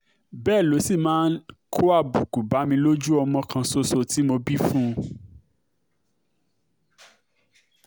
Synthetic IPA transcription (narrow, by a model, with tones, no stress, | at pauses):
bɛː˦˨lo˨˦si˦˨mãː˦n̩˦kʰo˦a˦˨bu˨ku˨ba˨˦mĩ˧lo˦d͡ʒu˦ɔ˧mɔ̃˧kʰã˧so˧so˦˨ti˨˦mo˧bi˦fũ˦˧